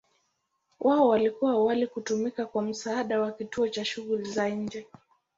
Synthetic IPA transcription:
wʔaɔwalikuwawalikutumikakwam̩saːɗawakituɔt͡ʃaʃuɣulizaiɲ̩d͡ʒɛ

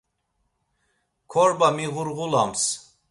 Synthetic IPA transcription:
kʰɔɾbamiʁuɾʁulams

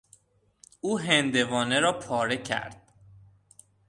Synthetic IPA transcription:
uːɦend̪e̞vɒːneɾɒːpʰɒːɾe̞cʰæ̰ɾd̪̥̚

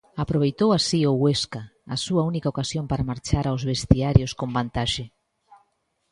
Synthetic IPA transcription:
apɾoβ̞ejt̪owasioweskaːsuaunikaokasjompaɾamaɾt͡ʃaɾawzβest̪iaɾjoskombant̪aʃe

